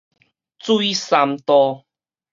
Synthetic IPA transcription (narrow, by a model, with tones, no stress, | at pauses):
t͡sui˦sa˧mt̪ɔ˧